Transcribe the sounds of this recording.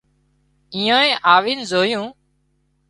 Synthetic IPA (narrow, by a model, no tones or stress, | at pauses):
ĩːãːẽːʔaːʋiːnzoːjũː